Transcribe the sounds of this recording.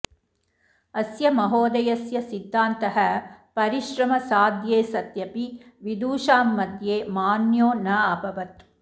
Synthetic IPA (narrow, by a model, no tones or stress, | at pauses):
ɐsjɐmɐɦoːd̪ɐjɐsjɐsid̪ʱːaːnt̪ɐɦɐpɐɾiʃɾɐmɐsaːd̪jeːsɐt̪jɐpiʋid̪uːʃaːmːɐd̪jeːmaːnjoːnɐɐbɐʋɐt̪